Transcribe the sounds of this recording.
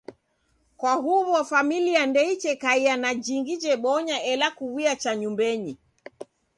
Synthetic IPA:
kwaɦuβɔfamiliandɛit͡ʃɛkaianad͡ʒiŋɡid͡ʒɛɓɔɲaɛlakuwiat͡ʃaɲumbɛɲi

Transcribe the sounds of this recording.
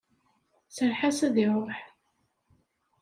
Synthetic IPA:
səɾħasæðiɾˤoħ

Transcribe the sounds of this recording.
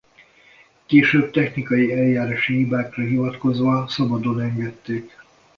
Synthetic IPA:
keːʃøːb̚t̪ɛxnikɒjiɛljaːɾaːʃiɦibaːkrɒɦivɒt̪ko̞zʋɒsɒbɒd̪o̞nɛŋɡɛt̪ːeːk

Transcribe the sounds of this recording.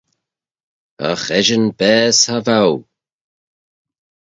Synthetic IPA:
ə̰xɛʒənbɛːshavaw

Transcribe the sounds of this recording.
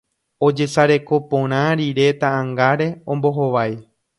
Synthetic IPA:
o̞d͡ʒe̞saɾe̞ko̞põɾ̃ãɾiɾe̞t̪aãŋɡaɾe̞õ̞mbo̞ɦoʋaj

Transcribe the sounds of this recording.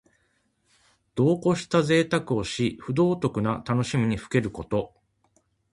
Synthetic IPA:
d̪̥o̞ːko̞ɕi̥t̪aze̞ːt̪akɯ̟o̞ɕiɸɯ̟d̪o̞ːt̪o̞kɯ̟nat̪ano̞ɕimʲiɲ̟iɸɯ̟̥ke̞ɾɯ̟ko̞t̪o̞

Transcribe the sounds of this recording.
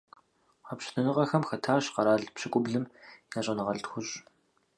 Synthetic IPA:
apɕɪ̥tʰɐnɨʁɐxɐmxɐtʰaːɕqɐɾaːɮpɕɪkʷʼʊbɮɨmjaːɕʼɐnɨʁɐɮtxʷʊɕ

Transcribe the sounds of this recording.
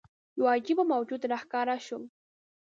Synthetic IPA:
jwajkɪpamawt͡ʃʊt̪aɾɑχkaɾaʃʊŋ

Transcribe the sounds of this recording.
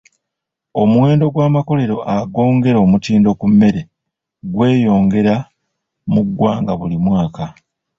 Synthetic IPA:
o̞muwe̞ːndo̞ɡwaːmako̞le̞ɾo̞ʔaɡo̞ːŋɡe̞ɾo̞ːmutiːndo̞kumːe̞ɾe̞ | ɡwe̞ːjo̞ːŋɡe̞ɾa | muɡwaːŋɡaβulimwaːka

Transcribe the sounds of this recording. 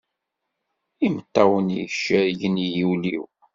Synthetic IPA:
imət̪ːæwənijʃːæʝənijilḭw

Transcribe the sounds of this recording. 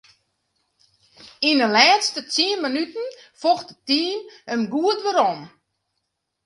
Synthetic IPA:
inəlɛːtstətiənmənytn̩foxtətiːmənɡuətʋəɾɔm

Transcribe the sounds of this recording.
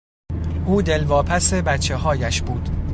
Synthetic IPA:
ʔuːd̪e̞lvɒːpʰæsebæt̪t͡ʃʰe̞ɦɒːjæʃb̥uːd̪̥

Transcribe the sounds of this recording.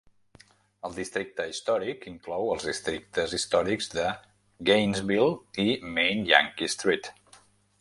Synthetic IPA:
əlˠd̪ist̪ɾik̚t̪əist̪ɔɾikiŋklɔwəlˠzðist̪ɾik̚t̪əzist̪ɔɾiɡzðə | ɡejnzβilˠimejnja̰ŋkist̪ɾit̪

